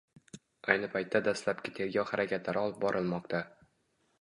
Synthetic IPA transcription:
ajnɪpʰajt̪ʰːad̪ast̪lapkʲɪt̪ʰe̞ɾɡʲɒwhaɾʔakʲʰat̪laɾɒlˠɪp̚bɒɾʔɪlˠmɒqt̪ʰa

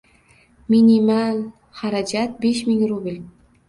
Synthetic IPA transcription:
minimal | haɾad͡ʒat̪̚beʃmɪŋɾubʲɪlʲ

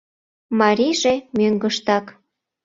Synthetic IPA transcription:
mɑɾʲiʒemøŋɡəʃt̪ɑk

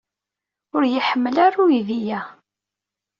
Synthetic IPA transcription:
ʊɾjəħəmːəlaɾuiðijæ

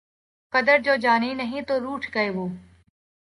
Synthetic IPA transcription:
kəd̪əɾd͡ʒoːd͡ʒaːniːnəɦĩːt̪oːɾuːʈʰɡəeːʋoː

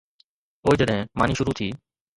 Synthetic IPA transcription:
oːid͡ʒeɗɛ̃maːniːʃʊɾut̪ʰiː

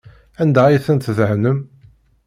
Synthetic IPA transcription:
ænd̪æiθənt̪ðəʕnəm

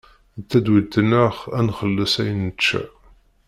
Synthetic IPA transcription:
t͡s̪ːæd̪wit̪ːənəχænχəlːəsæjnət͡ʃːæ̰

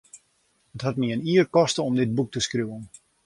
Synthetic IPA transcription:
ətɦatniəniːərkɔstəɔmdɪt̚buk̚təskrjuən

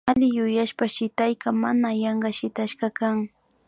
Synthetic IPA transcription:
alɪjʊjaʃpaʃɪt̪ajɢamanajɑɴɢɑʃɪt̪aʃɢɑkaŋ

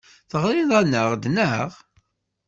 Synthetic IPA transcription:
θəʁɾiðˤɑnːəʁd̪nəəʁ

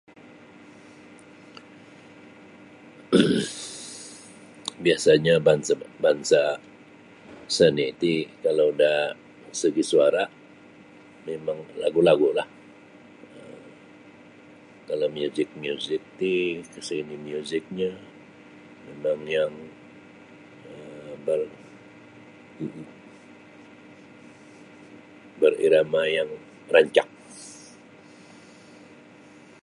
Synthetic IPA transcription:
biasaɲabanbansa | sənit̪ikalawda | səɡisuaɾa | memaŋla̰ɡulaɡulah | əm | kalamjuzɪk̚miuzɪk̚t̪ikəsiinimiuzɪk̚ɲa | memaŋjaŋ | əbər | m̩ʔm̩ | bərḭɾamajaŋ | raɲt͡ʃa̰ŋ̚

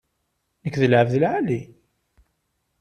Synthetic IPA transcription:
nəkːðəlʕəvðəlʕali

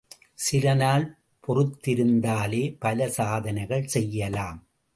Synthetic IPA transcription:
sɪlɐnaːl | pʰɔrɯt̪ːɪɾɯnd̪aːleːpɐlɐsaːðɐnɐɪɣɐɭsɛjːɐlaːm

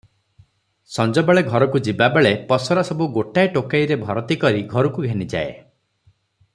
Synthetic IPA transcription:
sɔnd͡ʒɔbeɭeɡʱɔɾɔkud͡ʒibabeɭepɔsɔɾasɔbuɡoʈajʈokajɾebʱɔɾɔt̪ikɔɾiɡʱɔɾukuɡʱenid͡ʒa̰e

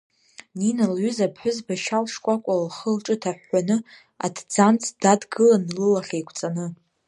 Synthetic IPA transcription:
ninalɥʏzapʰħʷᶣʊzbaʃalʂkʷʼakʷʼalχəlʈ͡ʂʼɨtʰaħːanɨ | a̰tʰd͡zant͡sʰd̥adɡɨlanlɨlaχʲejkʷʰt͡sʼanɨ

